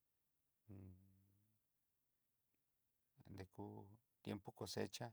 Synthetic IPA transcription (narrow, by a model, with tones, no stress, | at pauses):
nd̪e˧ku˦t̪je˦mpo˦ko˨se˦t͡ʃa˦